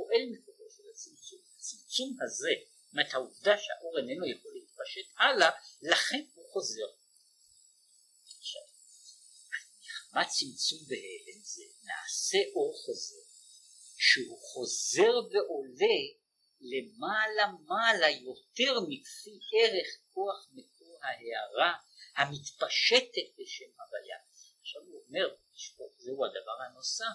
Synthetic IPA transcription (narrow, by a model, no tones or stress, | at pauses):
oʔe̞lmikoʁoʃelat͡simt͡sumhat͡simt͡sumhaze̞ | methauvdaʃeha̰ʔo̞ʁenenujeχo̞liit̪̚paʃe̞tʔalalaχe̞nhuχo̞ze̞ʁ | ʃav | a | iχmat͡simt͡sumbeheenzḛna̰ːse̞ʔo̞ʁχo̞ze̞ʁ | ʃehuχo̞ze̞ʁbe̞ʔo̞le̞ | lemaːlamalajo̞t̪e̞ʁmikfieʁe̞χko̞aχmekoʁhaheaʁahamitpaʃetet̚beʃemhavaja̰ | aχʃavuome̞ʁ | ʃozehuad̪avaʁhano̞sa